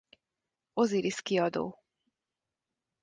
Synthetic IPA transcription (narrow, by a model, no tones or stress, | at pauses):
oziɾiskiɒd̪o̰ː